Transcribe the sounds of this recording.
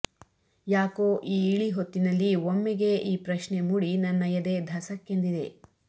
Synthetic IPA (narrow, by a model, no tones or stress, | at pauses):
jaːkoːʔiːɭiɦot̪ːinɐlːiomːeɡe̞ʔiːpɾɐʃnemuːɽinɐnːɐjɐd̪e̞d̪ʱɐsɐkːe̞nd̪id̪e̞